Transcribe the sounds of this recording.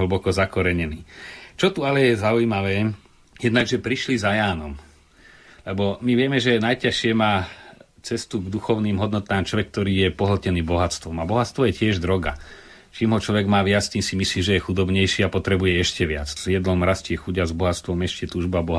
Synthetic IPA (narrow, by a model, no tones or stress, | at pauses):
ɦl̩ɭ̩bɔkɔzakɔɾɛɲɛniːt͡ʃɔt̪ualɛjɛzaujmaʋɛː | jɛd̪naɡʒɛpɾiʃlizajaːnɔm | lɛbɔmiʋɪɛmɛʒɛnajcaʃɪɛmaːt͡sɛst̪uɡd̪uxɔʊniːmɦɔd̪nɔt̪aːmt͡ʃlɔʋɛk̚ːt̪ɔɾiːjɛpɔɦl̩cɛniːbɔɦat̪t͡st̪ʋɔmabɔɦatt͡sst̪ʋɔjɛcɪɛʒd̪ɾɔɡa̰ | t͡ʃiːmɦɔt͡ʃlɔʋɛɡmaːʋɪat͡st̪iːmsimisliːʒɛjɛxud̪ɔbɲɛjʃiːapɔt̪ɾɛbujɛɛʃcɛʋɪa̰t͡ssjɛd̪lɔmɾascɪɛxuɟazbɔɦatt͡st̪ʋɔmɛʃcɛt̪uːʒbabɔɦ